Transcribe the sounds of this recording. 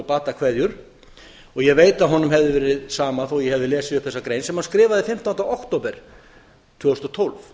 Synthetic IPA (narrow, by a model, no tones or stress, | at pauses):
paːt̪akʰvɛðjʏɾ̥ | ɔɣjɛɣveːjt̪aðɦɔnːʏmɦɛvðɪvɛːɾɪðsaːmaθɔɣjɛhɛvðɪlɛːsɪʏpθɛsːakɾeːjnsɛmhanskɾɪːvaðɪfɪm̥t̪awnt̪aawhkt̪oːwpɛɾ̥ | t̪ʰvœːɣʏst̪ɔt̪ʰowlv